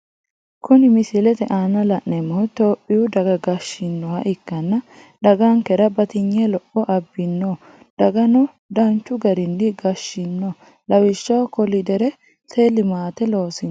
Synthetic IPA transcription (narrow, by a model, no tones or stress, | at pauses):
kʰʊnɪmɪsɪlɛt̪ɛʔanːɐlɐʔnɛmːɔhʊt̪oːpʼːɪjʊd̪ɐɡɐɡɐʃːɪnːɔwɐʔɪkːɐnːɐ | d̪ɐɡaŋkɛɾɐbɐt̪ɪɲːɛlɔʔɔʔɐbːɪnːo | d̪̥ɐɡɐnɔ | d̪ɐnt͡ʃːʊɡɐɾɪnːɪɡɐʃːɪnːoː | lɐwɪʃːɐwkɔlɪd̪ɛɾɛ | t̪ʰelɪmaːt̪ɛlo̞ːsɪn